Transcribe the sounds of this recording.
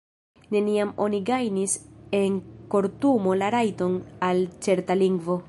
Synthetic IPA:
ne̞niamo̞niɡajnise̞ŋko̞ɾtumo̞laɾajto̞nalt͡se̞ɾtaliŋɡvo̞

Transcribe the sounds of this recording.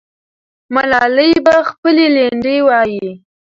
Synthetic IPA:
malɑləjbaxpəleleɳɖewɑji

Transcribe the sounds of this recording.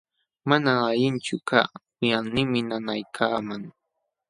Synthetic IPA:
manaaʎɪnt͡ʃʊka̰ː | ʊjanɪmɪnanajkʰaːmaŋ

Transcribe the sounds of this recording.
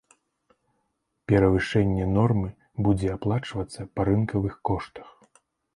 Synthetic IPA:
pʲɛɾɐvɨʂɛnʲːɛnɔrmɨ | bud͡zʲɛaplˠat͡ʂvɐt̪sːɐpɐɾɨnkɐvɨxkɔʂt̪ɐ̥x

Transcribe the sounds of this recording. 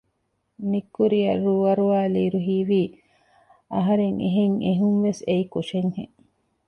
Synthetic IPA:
nikːuɾiɐ̰ruːʋɐɾuaːliːɾuɦiːʋiː | ʔɐɦɐɾeŋḛɦeŋeɦuŋʋeseikuʃeɲhḛ

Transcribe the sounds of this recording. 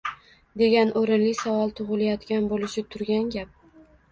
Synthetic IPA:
d̪e̞ɡʲanʔoɾɪnlɪsavɒlˠt̪ʰʊʁɨlajɒt̪ɡʲanbolɪʃɪt̪ʰʊɾɡʲanɡʲap̚

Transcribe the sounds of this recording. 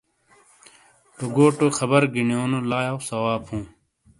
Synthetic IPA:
t̪oɡoːʈoxɐbɐɾɡinijoːnolaːjawsɐwaːbhũː

